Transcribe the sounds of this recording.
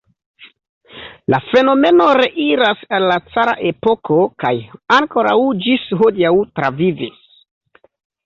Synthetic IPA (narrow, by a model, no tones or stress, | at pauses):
lafe̞no̞me̞no̞ɾe̞ʔiɾasalːat͡saɾa̰ʔe̞po̞kʰo̞ka̰jaŋko̞ɾa̰wd͡ʒisɦodijawtɾavivis